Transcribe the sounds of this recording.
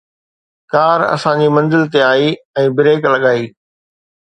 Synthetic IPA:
kaːɾɐ̰sãd͡ʑiːmɐ̃nzɪlt̪eaːiːɛ̃ːbɪɾeːklɐɠaːiː

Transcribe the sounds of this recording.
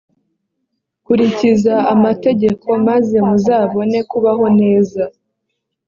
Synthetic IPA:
kuɾicizaamate̞ɟe̞kʰo̞maze̞muzaːβo̞ne̞kuβaɦo̞ne̞ːza

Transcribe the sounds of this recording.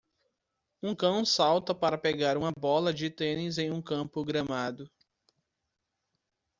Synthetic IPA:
ũkɐ̃w̃sawt̪ɐpaɾɐpeɡaɾũmɐbɔlɐd͡ʒɪt̪ẽnizẽj̃ũkɐ̃pʊɡɾɐ̃mad̪ʊ

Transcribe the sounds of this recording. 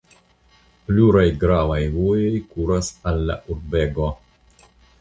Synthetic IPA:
pluɾajɡɾavajvojojkuɾasalːa̰ʔuɾbeɡo

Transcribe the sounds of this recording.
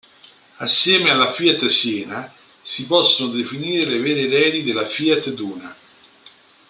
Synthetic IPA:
asːjɛːmealːafiːat̪sjɛːna | sipɔsːonod̪efiniːɾelevɛːɾeɾɛːd̪id̪elafiat̪d̪uːna

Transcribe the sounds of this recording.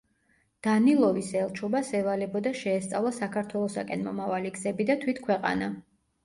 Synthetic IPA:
d̪̥anilˠɔvisɛlˠt͡ʃʰɔbasɛvalɛbɔd̪aʃɛːst̪sʼa̰vlˠasakʰaɾt̪ʰwɛlˠɔsa̰kʼɛnmɔ̰mavaliɡzɛbid̪at̪ʰwit̪ʰkʰwɛqʼa̰na

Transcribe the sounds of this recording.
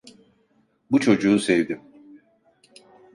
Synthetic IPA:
but͡ʃʰo̞d͡ʒuːsɛvd̪im

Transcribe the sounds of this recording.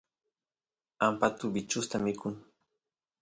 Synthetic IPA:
ampat̪ʊbɪt͡ʃʊst̪amɪkʰʊŋ

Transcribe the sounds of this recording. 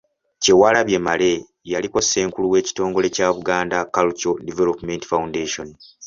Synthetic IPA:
ce̞waːlaβje̞male̞ | jaliko̞ssːe̞ːŋkuluwe̞ːci̥to̞ːŋɡo̞le̞caːβuɡaːndakalut͡ʃodivelopme̞nti̥faundeʃo̞n

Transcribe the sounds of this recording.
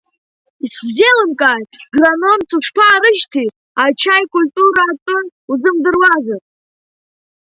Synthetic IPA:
iszelɨmkʼatɡranomt͡sʰuʂpʰaːɾɨʒtʰi | at͡ʃʰajkʼulʲtʼuɾaːtʼʊnuzɨmdɨrwazɨtʼ

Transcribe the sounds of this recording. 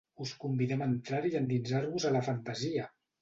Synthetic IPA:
uskumbiðɛmənt̪ɾaɾiənd̪inzaɾβuzələfənt̪əziə

